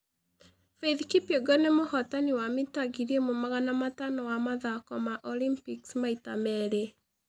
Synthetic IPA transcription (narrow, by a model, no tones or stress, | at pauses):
feðkipeɡɔnemohɔtaniwamitaɡiɾiemomaɣanamatanɔwamaðakɔmaʔɔlimpiksmaitamɛɾe